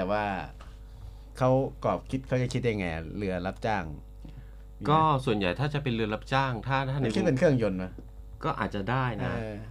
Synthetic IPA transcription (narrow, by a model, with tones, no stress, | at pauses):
t̪ɛː˨˩waː˥˩ | kʰa˦˥wkɔː˨˩p̚kʰi˦˥t̪̚kʰa˦˥wt͡ɕa˨˩kʰi˦˥t̪̚ja˧ŋaː˧˩lɯ˧ɐla˦˥p̚t͡ɕaː˥˩ŋ | kɔː˥˩su˨˩ənja˨˩jt̪ʰaː˥˩t͡ɕa˨˩ʔpe˧nlɯ˧ɐla˦˥p̚t͡ɕaː˥˩ŋt̪ʰaː˥˩t̪ʰaː˥˩˨kʰi˦˥pe˧nkʰɯ˥˩əŋjo˧nma˦˧˥ | kɔː˥˩ʔaː˨˩t̪̚t͡ɕa˨˩daː˥˩jnaː˦˥˧